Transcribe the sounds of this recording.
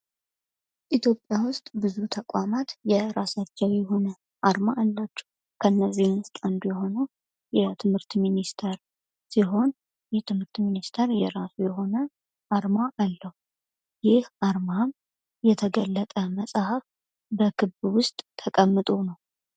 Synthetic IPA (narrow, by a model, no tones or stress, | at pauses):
ʔit̪ʰjo̞pʼːjawʊst̪ʼbɨzut̪ʰəkʼwamat̪jɛɾasat͡ʃːɛwjɛho̞nə | ʔaɾmaalːat͡ʃːɛ̥h | kʰəɨnːəzːihmwʊst̪ʼand̪ujɛɦo̞nə | jɛt̪ʰɨmhɨɾt̪minist̪ʰeɾ | siɦo̞n | jɛt̪ʰɨmhɨɾt̪minist̪ʰeɾjɛɾasujɛho̞nə | ʔaɾmaʔalːəhu | jɪhʔaɾmam | jɛt̪ʰəɡəlːət̪ʼəməsʼahaf | bəkʰɨβwʊst̪ʼt̪ʰəkʼəmːɨt̪ʼonəw